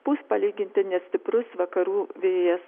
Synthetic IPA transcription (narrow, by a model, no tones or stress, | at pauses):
b̥uːspɐlʲiːɡʲɪnʲt̪ʲɪnʲɛsʲt̪ʲɪpɾʊsʋɐkɐɾuːʋʲeːjɛs